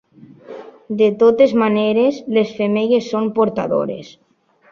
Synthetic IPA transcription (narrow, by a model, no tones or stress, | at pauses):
d̪et̪ot̪ezmaneɾezlesfemeʎesːompoɾt̪aðo̰ɾḛs